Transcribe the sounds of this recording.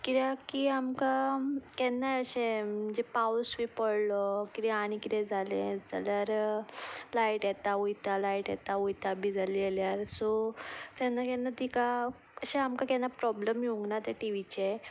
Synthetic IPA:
kiɾjakiamkakɛnːaəɕẽməd͡ʑepawsʋipəɽlɔkiɾɛaɽ̃ikit̪ɛ̃d͡zʱalẽd͡zalaɾ | laiʈjɛt̪aujt̪alaiʈjɛ̰t̪aujt̪abid͡zaleljaɾsɔt̪janːakɛnːat̪ika | əɕẽamkakɛnːapɾɔbləmjoŋɡnat̪ɛʈiʋit͡ɕe

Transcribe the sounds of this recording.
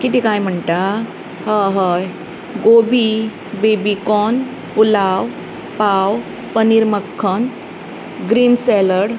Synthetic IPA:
kit̪ikajm̤əɳʈa | ɦəɦəj | ɡobʱi | bebikɔn | pulaw | paw | pəniɾməkʰːən | ɡɾiːnsɛləɽ

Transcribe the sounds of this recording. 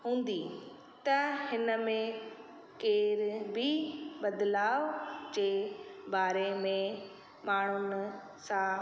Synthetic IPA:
ɦũːnd̪i | t̪ɐhɪnə̆mẽ | keːɾbʱibɐd̪laːʋd͡ʑeːbaːɾemẽ | maːɳ̤̃ʊnɪ̆ | sã

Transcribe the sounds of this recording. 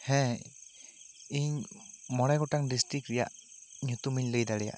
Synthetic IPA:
hɛ̃ | iɲmɔɽajɡɔʈaŋɖisʈɾikɾija̰ʔ | ɲut̪umiɲləjd̪aɽɛja̰ʔ

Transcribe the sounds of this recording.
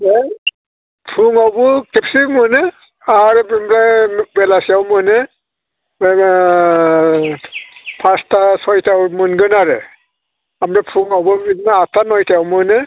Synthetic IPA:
e | pʰuŋawbɯkʰipsimɯnɯ | aɾɯbmɾabelasijawmɯnɯ | pʰastʰasɔjtʰawmɯnɡɯnaɾɯ | amɾapʰuŋawbɯinaatʰanɔjtʰajawmɯnɯ

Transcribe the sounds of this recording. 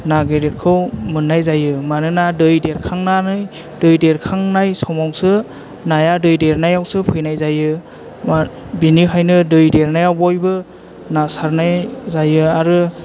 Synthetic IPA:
naɡeɾet̚kʰɯwmɯnːajzajɯmanɯnadɯjdeɾkʰaŋnanɯj | dɯjdeɾkʰaŋnajsɔmawsɯ | najadɯjdeɾnajawsɯpʰɯjnajzajɯ | a | binikʰajnɯdɯjdeɾnajawbɔjbɯ | nasaɾnajzajɯaɾɯ

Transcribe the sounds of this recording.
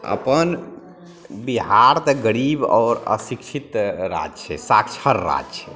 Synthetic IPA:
ə̰pən | biɦaɾt̪əɡəɾibɔːɾə̰sikt͡ʃʰit̪ɾa̰d͡ʒt͡ʃʰɛsakt͡ʃʰəɾːa̰d͡ʒt͡ʃʰɛ

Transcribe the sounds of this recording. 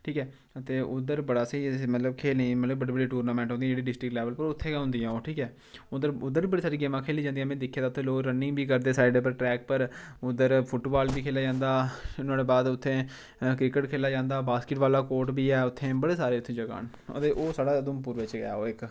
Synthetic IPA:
ʈʰiːkɛː | t̪eːʊd̪əɾbəɽaːsːmət̪ləbkʰeːlĩːmət̪ləbəɽiːbəɽiːʈuːɾnaːmɛ̃ːɳʈɦõnd̪ĩːd͡ʒeːɽiːɖɪsʈɾɪkʈlɛːʋəlpəɾʊt̪ʰːẽːɦʊ̃nd̪ijãːoːʈʰiːkɛː | ʊd̪əɾʊd̪əɾʋiːbəɽiːsaːɾiːɡeːmãːkʰeːliːd͡ʒãːnd̪ijɛ̃ːmɛ̃ːd̪ɪkʰijaːd̪aʊt̪ʰːẽːloːɾənɪ̃ŋɡbiːkəɾd̪eːsaːɪɖeːp̬əɾʈɾɛːk̚pəɾʊd̪əɾpʰʊʈːbaːlbiːkʰeːlaːd͡ʒãːnd̪aːnaːɽeːbaːd̪ʊt̪ʰːẽː | kɾɪkəʈkʰeːlaːd͡ʒãːnd̪aːbaːskɪʈʋaːlaːkoːɾʈbiːɛːʊt̪ʰːẽːbəɽeːsaːɾeːʊt̪ʰːẽːd͡ʒəɡa̰ːn | ə̰t̪eːʔoːsaːɽaːd̪əmpuːɾʋɪt͡ʃɡəja̰ːoːɪk

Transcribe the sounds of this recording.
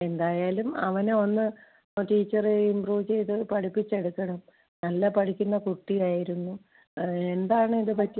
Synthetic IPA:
e̞nd̪aːjaːlumɐʋɐneo̞nːɨ | tiːt͡ɕːɐreimbruːʋt͡ɕe̞jt̪ɨpɐʈʰipːit͡ɕːe̞ɽukːɐɽɐm | nɐlːɐpɐʈʰikʲːunːɐkuʈːijaːjiɾunːu | e̞nd̪aːɳɨiðɨpɐtːi

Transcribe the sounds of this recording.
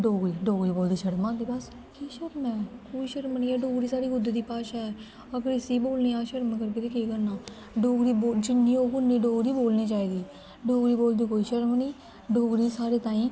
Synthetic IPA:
ɖoːɡɾiːɖoːɡɾiːboːld̪iːʃəɽmãːd̪iːbəs | kiːʃəɾmɛ̃ːkoːiːʃəɾmniːɛːɖoːɡɾiːsaːɽiːɡʊd̪eːd̪iːpaːʃaːɛː | əɡəɾɪsiːboːlniːaːʃəɾmkəɾket̪eːkeːɡəɾnaː | ɖoːɡɾiːbod͡ʒɪnːĩːoːkʊnːiːɖoːɡɾiːboːlniːt͡ʃaːiːd̪iː | ɖoːɡɾiːboːld̪iːkoːiːʃəɾmniː | ɖoːɡɾiːsaːɾeːt̪ãːĩː

